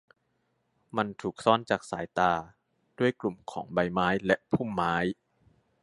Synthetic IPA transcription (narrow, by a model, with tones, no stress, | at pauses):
ma˧nt̪ʰuː˨˩k̚sɔː˦˥˩nt͡ɕaː˨˩k̚saː˩˦jt̪aː˧ | d̥u˥˩əjklu˨˩mkʰɔː˩˦ŋba˧jmaː˦˥jlɛ˧˥pʰu˥˩mːaː˦˥j